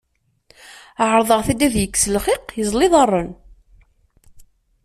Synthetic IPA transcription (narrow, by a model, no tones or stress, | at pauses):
ʕəɾˤðˤəʁθæd̪æðjəkːsəlχɪqjəzˤlɪðˤɑrˤːən